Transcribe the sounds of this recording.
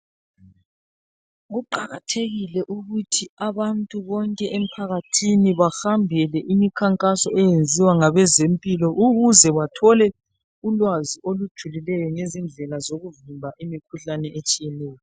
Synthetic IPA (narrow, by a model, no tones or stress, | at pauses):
ɣuǃaɣa̰tʰeɣilɛʔuɣutʰiaβantʼuβɔŋkʼɛʔem̩pʰaɣatʰiniβaxambʱɛlɛʔimikʰaŋkʼasɔɛjend͡zʱiwaŋaβɛzempʼilɔʔuɣuzɛβatʰɔlɛ | ulwaziʔolud̥ʒ̥ʱulilɛjɔŋezind͡ɮʱɛlazoɣuvimbʱaʔimikʰuɬanɛʔet͡ʃʼijɛlɛːjɔ